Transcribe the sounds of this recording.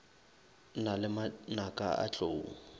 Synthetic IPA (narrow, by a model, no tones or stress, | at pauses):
nalɪmanakʼaa̰t͡ɬʼoːŋ̩